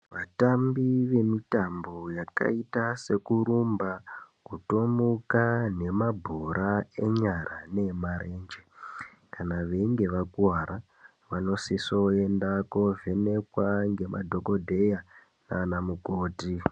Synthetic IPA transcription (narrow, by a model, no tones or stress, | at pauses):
ʋatambiʋe̞mitambo̞jaka̰itase̞kuɾumba | kutomukane̞mabʱoɾae̞ɲarʔane̞maɾeːnd͡ʒe | kanaʋe̞ŋɡe̞ʋakuaɾa | ʋano̞siso̞endako̞ve̞ne̞kwaŋɡe̞mʔa̰dʱo̞ko̞dʱe̞ja | naːnamukoːti